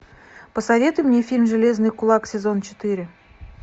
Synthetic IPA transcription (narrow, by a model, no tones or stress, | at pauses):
pəsɐvʲe̞t̪ʊjmnʲefʲilʲmʐɨlʲe̞znɨjkʊlˠɑksʲezo̞nt͡ʃɪ̥t̪ɨɾʲɪ